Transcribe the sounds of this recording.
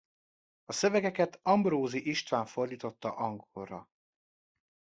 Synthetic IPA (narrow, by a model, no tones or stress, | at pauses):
ɒsøvɛɡɛkɛt̪ɒmbɾoːziʔiʃt̪ʋaːɱfo̞rd̪iːt̪o̞t̪ːɒʔɒŋɡorːɒ